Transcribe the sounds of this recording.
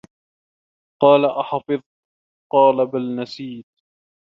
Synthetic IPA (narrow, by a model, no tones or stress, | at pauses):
qɑːlaʔɑħɑfɨðˤ | qɑːlabalnasiːt̪̚